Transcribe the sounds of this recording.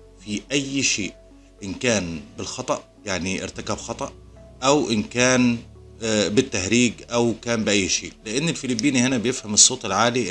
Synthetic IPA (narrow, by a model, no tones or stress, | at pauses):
fiʔæjːʃeːʔ | ʔɪnkæːnbɪlxɑt̪ˤɑʔ | jaʕniʔɪ̰ɾt̪akæbxɑt̪ˤɑʔ | ʔæwʔɪnkæːn | bɪt̪ːahɾiːɡʔæwkæːmbɪʔæjːʃḛːʔlɪʔɪnːɪlfɪlɪbːiːnihɪnæbɪjɪfhæmɪsˤːoːt̪ˤɪlʕaːli